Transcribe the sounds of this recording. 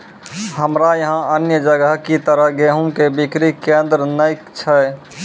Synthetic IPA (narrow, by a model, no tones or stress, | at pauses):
həmɾajəɦãʔənjəd͡ʒəɡəɦkit̪əɾəɦɡeːɦũkebɪkɾikːẽːnd̪ɾnəɪkt͡ʃʰɛ